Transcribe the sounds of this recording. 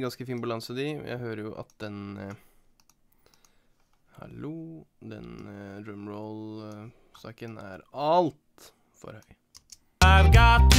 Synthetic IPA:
ɡɑnskəfiːnbɑlɑnsəd̪ɪ̰jʔæ̰ɪhøːɾəjʊʔɑ̰t̪̚d̪ɛn | hɑ̰lud̪ɛ̰nɾʉmɹɔʊl | sɑ̰ːkənæ̰ɾɑlt̪ | fɔ̰ɾhœʏ | amɡɑt̪

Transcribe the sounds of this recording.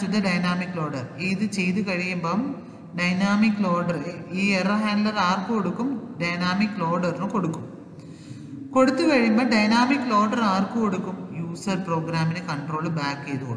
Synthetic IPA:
t͡ʃːud̪ɐɖɐjnaːmikːloːɖɐɾiðɨt͡ɕejt̪ukɐɻijumba | ɖɐjnaːmikːloːɖɐɾeiːeɾɐɦaːɳɖlɐɾaːrkɨkoɽukːumɖɐjnaːmikːloːɖɐɾnũkoɽukːum | koɽut̪ːɯkɐɻijumbɐːɖɐjnaːmikːloːɖɐɾaːrkɨkoɽukːumjuːsɐɾpɾoːɡɾaːminekɐɳʈroːlbaːkːejt̪uko̰ɽ

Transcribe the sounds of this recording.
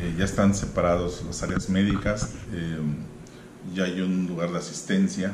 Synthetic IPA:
eʝaest̪ansepaɾaðoslasaɾeazme̞ðikase | ʝaajunluɣaɾðeasi̥st̪e̞nsja

